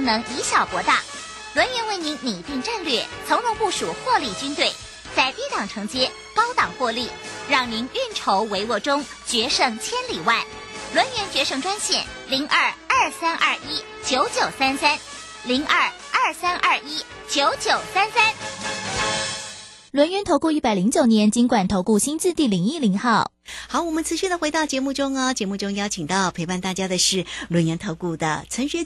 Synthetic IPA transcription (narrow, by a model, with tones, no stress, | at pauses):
ŋnɤ˧˥ŋi˧˥ɕjɑ˨˩ʊpwɔ˧˥t̪ɑ˥˩ | lwə˧˥nɥɛ˧˥nwe˥˩ɪni˧˥ŋni˨˩t̪i˥˧ŋʈ͡ʂə˥˧nlɥɛ˥˩t͡sʰɤ˧˥ŋnʊ˧˥ŋpu˥˩ʂu˨˩xwɔ˥˧li˥˩t͡ɕy˥nt̪we˥˩ɪ | t͡sa˥˧ɪt̪i˥˧t̪ɑ˨˩ŋʈ͡ʂʰɤ˧˥ŋt͡ɕjɛ˥ | kɑ˥ʊt̪ɑ˨˩ŋxwɔ˥˧li˥˩ɻɑ˥˩ŋni˧˥ny˥˩nʈ͡ʂʰo˧˥ʊwe˧˥ɪwɔ˥˩ʈ͡ʂʊ˥ŋ | t͡ɕɥɛ˧˥ʂɤ˥˩ŋt͡ɕʰjɛ˥nli˨˩wa˥˩ɪ | lwə˧˥nɥɛ˧˥nt͡ɕɥɛ˧˥ʂɤ˥˩ŋʈ͡ʂwa˥nɕjɛ̰˥˩n | li˧˥ŋʔɐ˞˥˧˩ɐ˞˥˩sa˥nʔɐ˞˥˩i˥ | t͡ɕjo˧˥ʊt͡ɕjo˨˩ʊsa˥nsa˥n | li˧˥ŋʔɐ˞˥˩ | ɐə˞˥˩sa˥nʔɐ˞˥˩i˥ | t͡ɕjo˧˥ʊt͡ɕjo˨˩ʊsa˥nsa˥n | lwə˧˥nɥɛ˧˥nt̪ʰo˧˥ʊku˥˧i˥˩pa˨˩ɪli˧˥ŋt͡ɕjo˨˩ʊnjɛ˧˥nt͡ɕi˥ŋkwa˨˩nt̪ʰo˧˥ʊku˥˩ɕi˥nt͡sɹ̩˥˧t̪i˥˩li˨˩ŋi˥˩li˧˥ŋxɑ˥˩ʊ | xɑ˧˥ʊwɔ˨˩mə˦nt͡sʰɹ̩˧˥ɕy˥˩nd̪ə˩xwe˧˥ɪt̪ɑ˥˩ʊt͡ɕjɛ˧˥mu˥˩ʈ͡ʂʊ˥ŋɐ˧t͡ɕjɛ˧˥mu˥˩ʈ͡ʂʊ˥ŋjɑ˥t͡ɕʰi˨˩ŋt̪ɑ˥˩ʊpʰe˧ɪpa˥˧nt̪a˥˩t͡ɕja˥d̪ə˨ʂɻ̩˥˩lwə˧˥nɥɛ˧˥nt̪ʰo˧˥ʊku˥˩d̪ə̰˩t͡sʰə˧˥nɕɥɛ˥